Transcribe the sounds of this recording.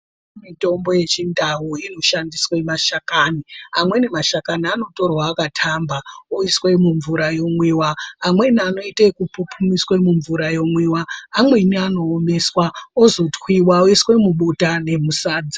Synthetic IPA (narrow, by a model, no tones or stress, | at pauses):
mito̞mbo̞je̞t͡ʃindawuino̞ʃandiswe̞maʃakaniamwe̞ne̞maʃakaniano̞to̞rwaːkatʰambaoiswemuɱvuɾajo̞mwiːwaːmwe̞nano̞itekupupʰumiswemuɱvuɾajo̞mwiwaːmwe̞niano̞ːme̞swaozo̞twiwaoiswe̞muɓutane̞musaːd͡zi